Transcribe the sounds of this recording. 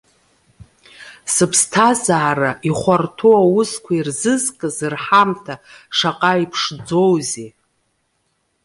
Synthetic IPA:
sɨpʰstʰazaːɾaʔiχʷartʰoawʊskʷʰairzɨzkʼɨzɨrħamtʰaʂaqʼaipʰʂd͡zo̞wze

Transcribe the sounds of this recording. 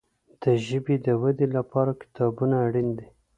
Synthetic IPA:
d̪̥əʒəbed̪əwad̪elapɑɾakɪ̥t̪ɑbunaːɽind̪e

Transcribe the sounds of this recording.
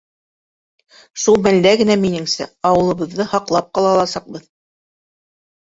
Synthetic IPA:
ʃulˠmæld̪æɡɘ̆næminɘ̆ŋsæ̰ɑwɤ̆lˠɤ̆βɤ̆ðːɤhɑqlˠɑp̚qɑlˠɑlˠɑsɑq̚bɤð

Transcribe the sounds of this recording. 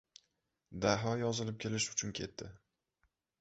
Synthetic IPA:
d̪aɦɒjɒzɪlɪp̚kʲʰe̞lɪʃʊt͡ʃʰʊnkʲʰe̞t̪ʰːɪ

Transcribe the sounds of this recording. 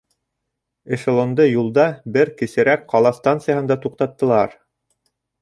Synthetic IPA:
ɘ̆ʃɤ̆lˠŏnd̪ɤjulˠd̪ɑbɘɾkɘ̆sɘ̆ɾækqɑlˠɑst̪ɑnt̪sɨjahɤnd̪ɑt̪uq̚t̪ɑt̪ːɤ̆lˠɑɾ

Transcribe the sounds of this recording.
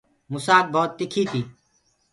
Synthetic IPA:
mʊsaːk̚bʱoːt̪ːɪkʰiːt̪ʰiː

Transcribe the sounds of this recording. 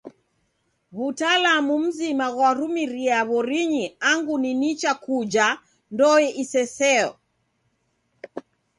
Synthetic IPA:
βutalamum̩zimaɣwaɾumiɾiaβɔɾiɲiaŋɡuninit͡ʃakud͡ʒa | ndɔjɛʔisɛsɛɔ̰

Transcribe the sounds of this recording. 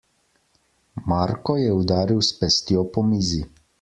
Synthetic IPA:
maɾkɔjɛud̪aːɾiwspɛst̪jɔpɔmiːzi

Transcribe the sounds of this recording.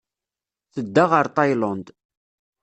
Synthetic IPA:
θəd̪ːaʁəɾt̪ˤɑjlɑnd̪

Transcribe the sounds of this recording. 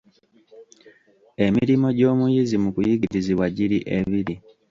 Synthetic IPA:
e̞miɾimo̞ɟo̞ːmujizimukujiɡiɾiziβwaɟiɾiʔeβiɾi

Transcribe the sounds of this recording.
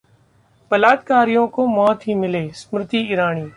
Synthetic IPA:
bəlaːd̪kaːɾɪjõːkoːmoːt̪ʰiːmɪleːsmɾɪt̪iːɪɾaːɳiː

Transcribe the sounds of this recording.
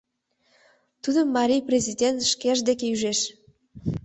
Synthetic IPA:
t̪ud̪ə̆mːɑɾʲijprʲezʲidʲent̪ʃkʲeʒd̪ekeyʒeʃ

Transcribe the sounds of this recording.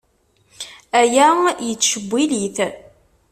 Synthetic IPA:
æjæjət͡sːʃəbʷːiliθ

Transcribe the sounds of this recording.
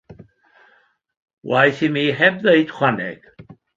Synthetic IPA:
wajθimiːɦɛbðeɨd̥χwanɛ̰ɡ̥

